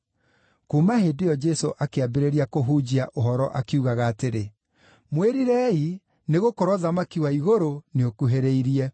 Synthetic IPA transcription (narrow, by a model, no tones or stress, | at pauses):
kumaɦedeɔd͡ʒɛsoʔakeabeɾeɾiakoɦud͡ʑiaʔoɦɔɾɔʔakiuɣaɣaːteɾe | mweɾiɾɛi | neɣokɔɾwɔðamakiwaiɣoɾoneokuɦeɾeiɾiɛ